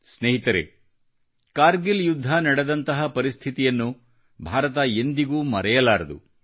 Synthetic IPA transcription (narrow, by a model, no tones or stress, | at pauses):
sneːɦit̪ɐɾḛ | kaːɾɡiljud̪ʱːɐnɐɽɐd̪ɐnt̪ɐɦɐpɐɾist̪ʰit̪ijɐnːu | bʱaːɾɐt̪ɐe̞nd̪iɡuːmɐɾɛjɐlaːɾɐd̪ṵ